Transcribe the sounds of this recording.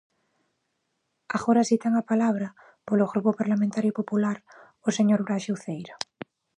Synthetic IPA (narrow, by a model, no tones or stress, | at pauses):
aɣoɾasit̪aŋapalaβ̞ɾa | poloɣɾupopaɾlamẽnt̪aɾjopopulaɾ | oseɲoɾβɾaʃiwθejɾa